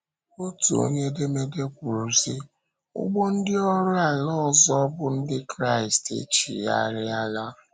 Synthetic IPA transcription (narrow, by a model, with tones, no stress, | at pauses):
o˦tṵ˨o̰˦ɲe˦de˦me˦de˦kʷu˨ɾu˨si˦ | ʊ̰˦ɡ͡bo˦n̩˦dɪ˦ɔ˦ɾʊ˦a˨lɔ˦˨zɔ˦bʊ˦n̩˦dɪ˦kɾa˦˨i˨stḛ˦t͡ʃḭ˨ja̰˦˨ɾɪ˦a˦la˦